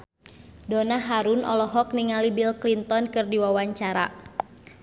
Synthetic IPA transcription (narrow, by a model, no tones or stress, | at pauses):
donaɦaɾunɔ̰lɔɦɔk̚niŋalibilklint̪ɔnkɨrdiwawaɲt͡ʃaɾa̰